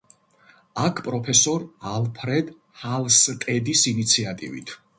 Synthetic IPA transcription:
akʰpʼɾɔpʰɛsɔɾalˠpʰɾɛd̪ | halˠst̪ʼɛd̪isinit̪sʰiat̪ʼḭvḭt̪ʰ

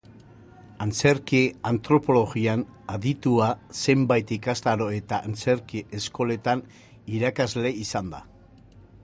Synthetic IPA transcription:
ant͡se̞ɾkiant̪ɾo̞po̞lo̞ɣianaðit̪uase̞mbajt̪ikast̪aɾo̞e̞t̪aʔːnt͡se̞ɾkiʔesko̞le̞t̪an | iɾakazle̞isand̪a

